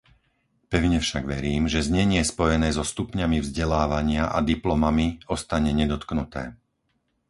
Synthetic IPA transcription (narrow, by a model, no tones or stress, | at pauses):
pɛʊɲɛfʃaɡʋɛɾiːmʒɛzɲɛɲɪɛspɔjɛnɛːzɔst̪upɲamivzɟɛlaːʋaɲɪaʔa̰d̪iplɔmamiɔst̪aɲɛɲɛd̪ɔt̪knut̪ɛ̰ː